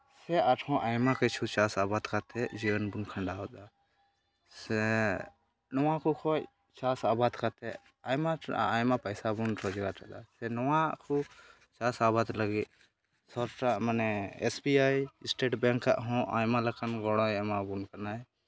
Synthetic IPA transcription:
seaʈʰhɔ̃ʔajmãkət͡ʃʰut͡ʃaːsaːbaːd̪kʰat̪ʰɛd͡ʒiwənbunkʰəɳɖaɔd̪a | se | nɔwãkukʰo | t͡ʃaːsaːbaːd̪kat̪ʰɛ | ajmãajmapəjsabunɾɔd͡ʒɡat̪ʰa̰d̪asenɔwãkʰu | t͡ʃasabad̪ləɡi | sɔɾʈamənɛesbiaːjisʈeːʈbɛŋkːa̰ʔɦɔ̃ʔa̰jmãləkanɡɔɽɔjemabunkɐnaj

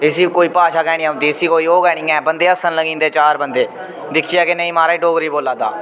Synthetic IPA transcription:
ɪsiːkoːiːpaːʃaːɡɛːɽ̃ɪjãːʊt̪iːɪsiːkoːiːoːɡɛːɽ̃ĩːɛ̃ːbənd̪eːəsənləɡĩːnd̪eːt͡ʃaːɾbənd̪eː | d̪ɪkʰiːaːkɪnəĩːmaːɾaːiːɖoːɡɾiːboːlãːd̪a̰ː

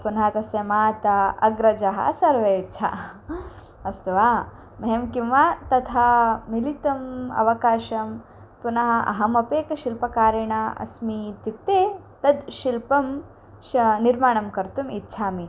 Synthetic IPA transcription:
punɦat̪ɐsjɐmaːt̪ɐɐ̰ɡɾɐd͡ʒɐɦɐ̰sɐɾʋɐtːt͡ʃʰa̰ | ɐst̪ɐʋaː | mɐɦemkimʋaːt̪ɐt̪ʰamilit̪ɐmɐ̰ʋɐkaːʃɐm | punɐɦɐʔɐ̰ɦɐmɐpeːkɐʃilpɐkaːɾɐɳaːɐ̰smit̪it̪ːeːt̪ɐd̪ʃilpɐm | ʃniɾmaːɳ̃ɐmkɐɾt̪umitːʃʰaːmi

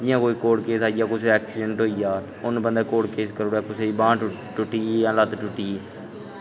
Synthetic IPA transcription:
d̪ɪjãːkoːiːkoːɽkeːsaːɪjaːkʊseɛːksɪːɖə̃ɳʈɦoːijaː | ʊnbənd̪aːkoːʈkeːskəɾoːɽaːkʊseːiːbãː | ʈʊʈːiːələt̪ʈʊʈːiː

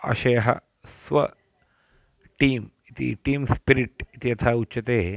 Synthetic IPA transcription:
ɐ̰ʃɐjɐɦɐ̰ | sʋɐ̰ | ʈiːm | it̪ḭʈiːmspiɾiʈit̪ijɐt̪ʰaːut͡ʃɐt̪eː

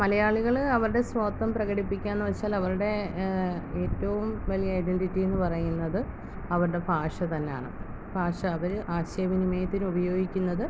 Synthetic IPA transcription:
mɐlɐjaːɭiɣɐɭɐʋɐɾuɽe̞swɐːt̪ːɐmprɐɣɐɽipːikʲːannːɨʋɐt͡ɕːaːlɐʋɐɾuɽe̞ | eːtːɐʋumʋɐlijɐɐjɖe̞ɳditːie̞nːɨpɐrɐjunːɐðɨ | ɐʋɐɾuɽe̞bʱaːʂɐt̪ɐnːeja̰ːɳɨ̰ | bʱaːʂɐːʋɐɾʔaːɕjɐɐʋinimɐjɐt̪ːinɨubɐjo̞ːɡikʲːunːɐðɨ

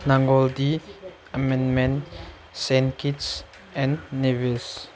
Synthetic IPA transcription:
naŋɡɔldi | əmɛ̃nmɛ̃n | sɛnkits | ɛ̃nːevils

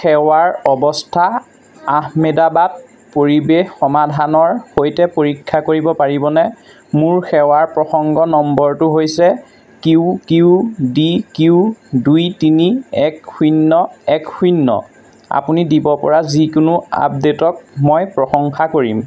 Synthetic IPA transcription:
xɛwaɹɔbɔstʰa | aɦmedabat̚ | poɹibexxɔmadʱanɔɹxojtɛpoɹikʰːakoɹibɔpaɹibɔnɛ | mʊɹxɛwaɹpɹɔxɔŋɡɔnɔmbɔɹtʊɦojsɛ | kiʊkiʊdikiʊdujtiniɛkxunːɔɛkxunːɔ̰ | a̰punidibɔpɔɹazikʊnʊa̰p̚detɔk̚mɔjpɹɔxɔŋxakoɹim

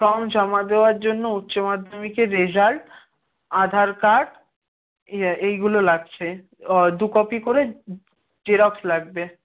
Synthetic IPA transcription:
kɾɔmd͡ʑamad̪eoaɾd͡ʑonːoutːɕomad̪ʱːomikeɾːed͡ʑalʈ | ad̪ʱaɾkaɖ | ejɡulolaɡ̚t͡ɕʰe | d̪ukɔpikoɾe | d͡ʑeɾɔkslaɡ̚be

